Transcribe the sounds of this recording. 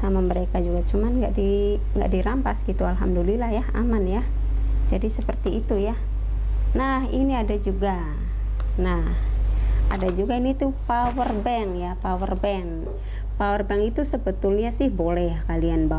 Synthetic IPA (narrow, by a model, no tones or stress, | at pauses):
samaməɾekad͡ʒuɡat͡ʃumanŋɡa̰ʔdi | ŋɡa̰ʔdiɾampasɡit̪ualɦamdulilahjaha̰manja | d͡ʒadisəpərt̪iːt̪uja | nahiniadad͡ʒuɡa | nahadad͡ʒuɡainit̪upawərbɛŋjapawərbɛŋ | pawərbɛŋit̪usəbət̪ʊlɲasɪhbolɛhjakalianba